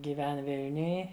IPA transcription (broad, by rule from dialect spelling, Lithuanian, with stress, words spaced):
ɡʲiːˈʋʲɛn ˈʋʲɪlʲnʲʊj